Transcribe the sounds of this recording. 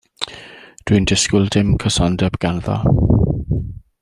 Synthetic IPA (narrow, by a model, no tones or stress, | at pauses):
d̥windɪskɪlˠdɪmkʰəsɔndɛbɡ̥anðɔ̰